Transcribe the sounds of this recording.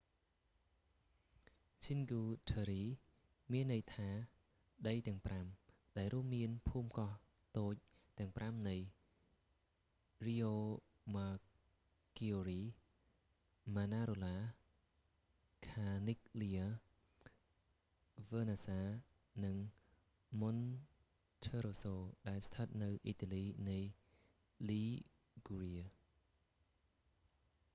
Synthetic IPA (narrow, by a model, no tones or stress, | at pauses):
t͡ɕʰiŋɡuːt̪ʰəːɾiː | miənːɨjt̪ʰaː | ɗəjt̪ɛ̆əŋpram | ɗaɛlruəmːiənpʰuːmkɑh | t̪oːc̚ | t̪ɛ̆əŋpramnɨj | riːoː | maː | kioriː | maːnaːɾoːlaː | kʰaːnik̚lia | ʋəːnasaː | nɨŋ | mon | tʰəːɾoːsoːɗaɛlst̪ʰət̪̚nɨwʔiːt̪aːliːnɨj | liː | ɡuɾiə